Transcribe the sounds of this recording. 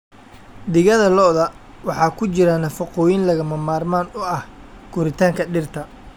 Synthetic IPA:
d̪ɪɣɐðɐlɔðɐ | wɑħɑːkʰʊt͡ʃɪɾɐnɐfɔqɔːjɪnlɐɣɐmɐmaːrmaːnʊɐh | ɡ̥ʊɾɪt̪ʰaːŋkʰɐɖɪrt̪ʰɐ

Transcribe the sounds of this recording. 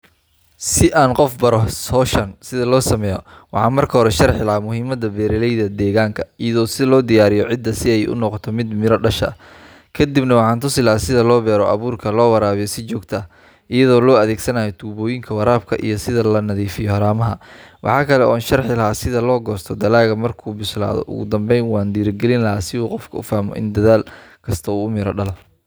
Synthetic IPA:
sɪʔaːnqɔfbɐɾɔsɔːʃɐnsɪðɐlɔːsɐmɛːjɔ | wɑ̰ħɑːnmɐrkʰɐɦɔɾɛʃɐrħɪlɐɦaːmʊɦiːmɐd̪ɐbɛːɾɪlɛjðɐd̪ɛːɣaːŋkʰɐijɐðɔːsɪlɔːd̪ɪjaːɾɪjɔʕɪd̪ːɐsɪɛjʔʊ̰nɔqɔt̪ʰɔmɪd̪mɪɾɔɖɐʃɐ̰ | kʰɐd̪ibnɐwɑħɑːnt̪ʰʊsɪlɐːsɪðɐlɔːbɛːɾɔʔɐ̰βuːrkʰɐlɔːwɑɾaːβɪjɔsɪt͡ʃɔːɡt̪ʰɐ | ʔɪjɐðɔːlɔːɐðeːɡsɐnaːjɔt̪ʰuːβɔːjɪŋkʰɐwɐɾaːb̚kʰɐʔḭjɔsɪðɐlɐnɐðiːfɪjɔhɐɾaːmɐɦɐwɑ̰ħɑːkʰɐlɛʔɔːnʃɐrħɪlɐɦaːsɪðɐlɔːɡɔːst̪ʰɔd̪ɐlaːɣɐmɐrkʰuːbʊsla̰ːðɔ̰ʔʊ̰ɣʊd̪ɐmbɛjnwɑːnd̪iːɾɪɡɛlɪnlɐɦaːsɪuːqɔfkʰɐʊfaːhmɔ̰ʔɪ̰nd̪ɐðaːlkʰɐst̪ʰɐuːʊmɪɾɔɖɐlɐf

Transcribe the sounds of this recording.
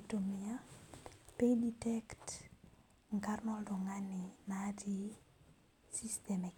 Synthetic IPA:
tomia | peditɛkt | ŋkarnɔldɔŋaninati | sistɛmɛk

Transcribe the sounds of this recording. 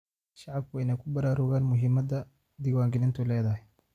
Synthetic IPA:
ʃɑʕɑb̚kʰʊɛjnɐkʰʊbɐɾaːɾʊɣaːnmʊɦɪmɐd̪ɐ | d̪iːwaːŋɡɪnɪnt̪ʰʊlɛːðɐɦɛj

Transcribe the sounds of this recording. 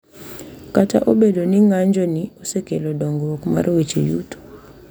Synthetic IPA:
kata̰ʔobedoniŋaɲd͡ʒɔniosekelodɔŋɡookma̰ɾwet͡ʃḛjṵto̥

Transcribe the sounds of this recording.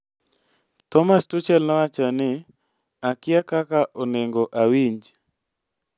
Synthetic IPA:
tɔmastʊt͡ʃɛlnɔwat͡ʃanɪ | akɪakakaʔɔneŋɡoʔawiɲd͡ʒ

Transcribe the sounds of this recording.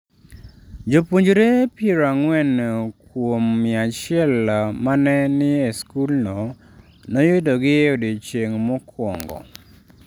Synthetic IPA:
d͡ʒopoɲd͡ʒɾepiɾaŋwɛnkwomːɪat͡ʃɪɛlamanɛnɪeskulnɔ | nɔjʊdoɡɪodet͡ʃeŋmɔkʰwɔ̰ŋɡɔ̰

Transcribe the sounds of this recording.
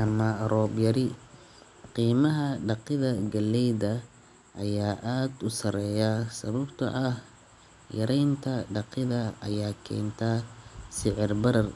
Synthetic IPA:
ʔɐmɐrɔːbjɐɾɪ | qiːmɐɦɐɖɑqɪðɐɡɐlːɛjðɐ | ʔɐjaːʔaːd̪ʊsɐɾɛːjasɐβɐbt̪ʰɐ̰ʔɐh | jɐ̰ɾɛjnt̪ʰɐɖɑqɪðɐɐ̰jaːkʰɛ̰ːnt̪ʰasɪʕɪrbɐɾɐr

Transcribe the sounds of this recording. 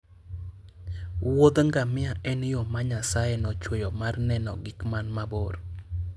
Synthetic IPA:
wod̪ŋɡamɪaʔɛnjomaɲasajɛnɔt͡ʃwejomarnɛnɔ̰ɡɪkmanmaboɾ

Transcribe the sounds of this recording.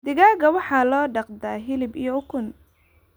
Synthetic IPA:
d̪̥ɪɣaːɣɐwɑħɑːlɔːɖɑqd̪aːɦɪlɪbijɔʊkʰʊn

